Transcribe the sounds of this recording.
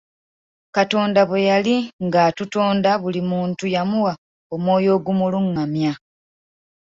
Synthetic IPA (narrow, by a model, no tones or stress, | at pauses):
kato̞ːndaβwejaliŋɡatuto̞ːndaβulimuːntujamuwa | o̞mwo̞ːjo̞ːɡumuluŋːamja